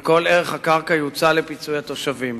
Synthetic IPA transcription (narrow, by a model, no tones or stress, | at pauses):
ko̞leʁe̞χhakaʁkajut͡sale̞pit͡sujat̪o̞ʃavim